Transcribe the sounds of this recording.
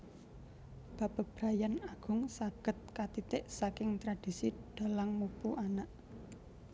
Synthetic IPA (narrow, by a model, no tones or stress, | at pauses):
b̥ä̤b̥ab̥ɾajanaɡ̥ʊ̤ŋsatɡ̥ə̤t̪̚kat̪it̪eʔsakɪŋt̪ɾad̥isiɖ̥a̤laŋmupuʔanaʔ